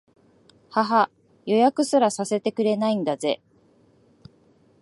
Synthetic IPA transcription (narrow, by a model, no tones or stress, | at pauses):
haɦa | jo̞jakɯ̟sɨɾasase̞t̪e̞kɯ̟ɾe̞naĩnd̪aze̞̰